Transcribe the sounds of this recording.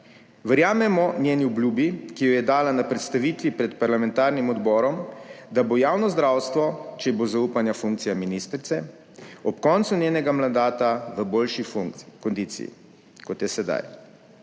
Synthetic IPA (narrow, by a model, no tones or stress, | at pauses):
ʋəɾjaːmɛmɔnjeːniɔblʲjuːbikijɔjɛd̪aːlanapɾɛt̪st̪aʋiːt̪ʋipɾɛt̪paɾlamɛnt̪aːɾnimɔd̪bɔːɾɔmd̪abojaːwnɔzd̪ɾaːwst̪ʋɔt͡ʃɛbozauːpanjafuŋkt̪sijaminiːst̪ɾit̪sɛ | ɔpkɔnt̪sunjeːnɛɡamand̪aːt̪aʋəboːlʃikɔnd̪iːt̪sḭjḭ | kɔt̪jɛsɛd̪a̰j